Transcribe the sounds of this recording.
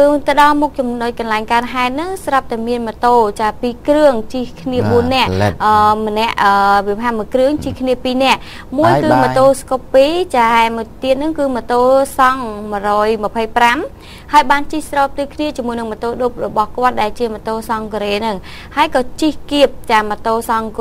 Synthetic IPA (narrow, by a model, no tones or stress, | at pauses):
ɨːt̪əɗɑlmok̚t͡ɕɑmoc̚kɑnlaɛŋkaənɦaɛt̪̚nɨŋsrɑp̚t̪aɛmiənmə̆t̪oːt͡ɕaːpiːkrɨəŋt͡ɕihkʰniəɓuənːɛ̆əʔʔəːmənɛ̆əʔʔəːʋiəpɦaːmɨəkrɨəŋt͡ɕihkʰniəpiːnɛ̆əʔ | muəjkɨːmət̪oːskopːiːt͡ɕaːmuəjt̪iət̪̚nɨŋkɨːmə̆t̪oːsɑŋmə̆ərɔːjməpʰəjpram | haəjɓaːnt͡ɕihsrɑːp̚t̪ɨːkʰniət͡ɕiəmuəjnɨŋmə̆t̪oːɗop̚rɔɓɑhkŏət̪̚ɗaɛlt͡ɕiəmət̪oːsɑŋkɔɾeːnɨŋ | haəjkɑːt͡ɕihkiəp̚t͡ɕaːmət̪oːsɑŋk